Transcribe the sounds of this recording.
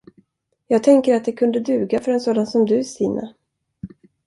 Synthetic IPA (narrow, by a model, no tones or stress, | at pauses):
jɑːɡ̚t̪ʰɛŋkəɾat̪̚d̪ɛkʰɵnd̪əd̪ʉ̟ːɡafœɾɛnsoːd̪ansɔmd̪ɵsiːnʔa̰